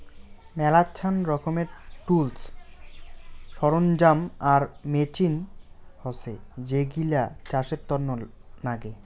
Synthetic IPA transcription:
mɛlat͡ɕʰanɾɔkʰomeɾʈuls | ʃɔɾond͡ʑamaɾmet͡ɕinhɔsed͡ʑeɡilat͡ɕaʃet̪ːɔɾnonaɡe

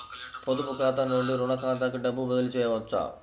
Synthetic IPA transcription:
pod̪upukaːt̪ɐnnuɳɖiɾunɐkaːt̪̬ɐkuɖɐbːubɐd̪ɐlit͡ʃɛːjɐʋɐt͡ʃːa̰

